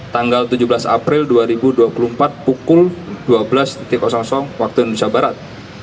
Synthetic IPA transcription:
t̪aŋɡalt̪ud͡ʒubəlasa̰pɾɪlduaɾibuduapulumpat̪̚pukʊld̥uabəlast̪it̪ɪkɔsɔŋsɔŋwak̚t̪uindusiabaɾat̪̚

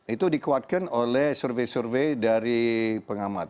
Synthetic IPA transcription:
it̪udikuat̪̚kanolɛhsərvesərvejdaɾipəŋamat̪̚

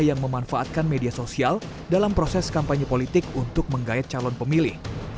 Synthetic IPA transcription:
jaŋməmanfaʔːt̪̚kanmediasosial | dalampɾosɛskampaɲipolit̪ɪkunt̪ʊk̚məŋɡaɛt̪̚t͡ʃalɔnpəmilɪh

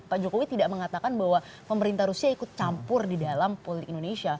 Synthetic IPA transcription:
paʔd͡ʒokowit̪idaʔməŋat̪akanbaɦwapəməɾint̪ahɾusiaikʊt̪̚t͡ʃampʊrdidalampolit̪ɪkindonesia

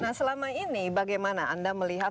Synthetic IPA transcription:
nahsəlamainibaɡajmanaandaməliɦat̚

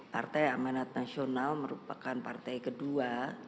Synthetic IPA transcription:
pa̰rt̪ajamanat̪̚nasionalməɾṵpakanpart̪ajkədua

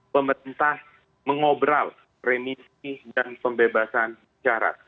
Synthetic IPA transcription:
pəməɾint̪ah | məŋobɾal | remisidanpəmbebasan | t͡ʃaɾa̰t̪̚

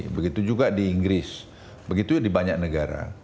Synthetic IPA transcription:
bəɡit̪ud͡ʒuɡadiːŋɡɾɪs | bəɡit̪udibaɲak̚nəɡaɾa̰

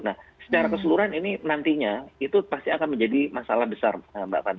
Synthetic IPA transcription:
nahsə̥t͡ʃaɾakəsəluɾanininant̪iɲait̪upast̪iakanməɲd͡ʒadimasalahbəsa̰rəmba̰ʔkan

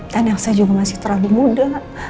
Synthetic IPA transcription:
t̪anaksajad͡ʒuɡamasɪht̪əɾalumuda

